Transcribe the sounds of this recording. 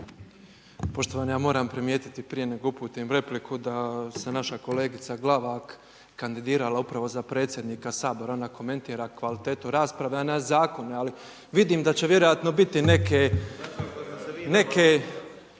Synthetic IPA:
po̞ʃt̪o̞ʋaːnejaːmo̞ːɾampɾimje̞ːt̪i̥t̪ipɾijene̞ɡoupuːt̪imɾe̞plikʰud̪asenaʃako̞leːɡit̪saɡlˠaʋak | kand̪id̪iːɾalaupɾaʋo̞zapɾe̞ːt̪sje̞d̪niːkasaːbo̞ɾaonako̞me̞nt̪iːɾakʋalit̪e̞ːt̪uɾaːspɾaʋeanazaːko̞neali | ʋid̪iːmd̪at͡ɕe̞ʋʲje̞ɾo̞jat̪no̞bit̪ine̞ke | ne̞ke

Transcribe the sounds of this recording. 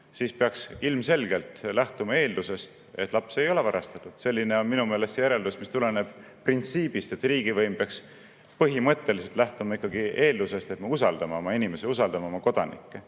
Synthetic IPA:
sispeɑksilmse̞lɡe̞lt̪læht̪umɑe̞ːld̪use̞st̪e̞t̪ːˑlɑpse̞jo̞le̞vɑɾɑst̪ɑt̪ːˑud̪̥se̞lʲːine̞o̞nminume̞ːle̞st̪jæɾe̞ld̪usmist̪ule̞ne̞b̥ | print̪siːb̥ist̪e̞t̪riːɡ̥ivɤjmpeɑks | pɤɦimɤt̪ːe̞liselt̪læht̪umɑikːˑɑɡie̞ːld̪use̞st̪e̞t̪mɑusɑld̪̥ɑmɑo̞mɑinime̞seus̬ɑld̪ɑmɑo̞mɑko̞d̪̥ɑnḭkːe

